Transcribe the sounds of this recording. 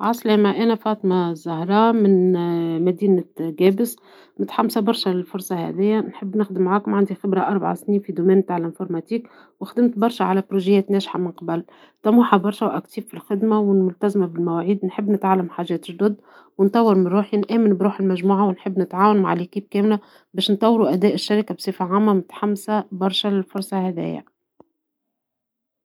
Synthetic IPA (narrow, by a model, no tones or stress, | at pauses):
ʕɑsˤlæːmæʔænæfɑːt̪ˤmazːahɾˤɑːmɪnmæd̪iːnɡɛːbɪs | mɪt̪ħamːsabɑɾˤʃælɪlfʊɾˤsˤɑhæ̰d̪ɪjːænħɪbːnɪxd̪ɪmːʕaːkmʕand̪ixɪbɾɑʔɑɾˤbaʕa̰sniːnfid̪umɛːnbt̪aʕɪlɪnfoɾmɑt̪iːk | wɪxd̪ɪmt̪bɑɾˤʃæʕalæbɾuʒɪjɛːt̪nɛːʃħa̰mɪnqɑbæl | t̪æmuħabɑɾˤʃæwʔækt̪iːffilxɪd̪mawɪnmʊlt̪æzmabɪlmæwaːʕiːd̪nħɪbːnɪt̪ʕalːamħaːʒɛːt̪ɪʒd̪ʊd̪ | wɪnt̪ˤɑwːɪɾmɪnɾuːħinʔæːmɪnbɾuːħɪlmæʒmuːʕawɪnħɪbːnɪt̪ʕaːwanma̰ʕlikiːb̚kæːmlæ | bæːʃnt̪ˤɑwːɾuʔæd̪ɛːʔɪʃːaɾɪkabsˤeːfaʕaːmːamʊt̪ḁħamːsæbɑɾˤʃælɪlfʊɾˤsˤɑhæd̪æ̰ːjːæ̰